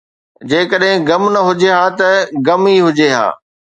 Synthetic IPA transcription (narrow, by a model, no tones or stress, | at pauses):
d͡ʑeːkəɗɦɪ̃ɡɐmnɐɦʊd͡ʑeɦaːt̪ɐɡɐmiɦʊd͡ʑeɦa̰ː